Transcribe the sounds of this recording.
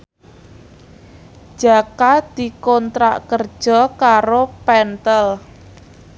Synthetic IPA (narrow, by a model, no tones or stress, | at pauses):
ʒ̥a̤kad̪̥i̤kɔnt̪ɾa̰ʔkər̥ʒ̥ɔ̤kaɾopɛnt̪əl